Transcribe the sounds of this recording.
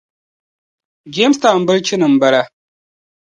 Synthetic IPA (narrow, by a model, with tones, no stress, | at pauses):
d͡ʒe˦msta˨n˨bɨ˦lt͡ʃɪ˦nɨ˨m̩˨ba˨la˦